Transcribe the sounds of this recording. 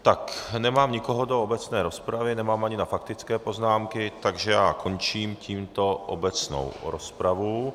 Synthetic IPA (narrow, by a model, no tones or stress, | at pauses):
t̪aknɛmaːmɲɪkoɦodoobɛt͡snɛːɾo̞spɾavɪnɛmaːmaɲɪnafak̚t̪ɪt͡skɛːpo̞znaːmkɪt̪aɡʒɛjaːkʰo̞nt͡ʃiːmcʰiːmt̪o̞ʔo̰bɛt͡sno̰wɾospɾavu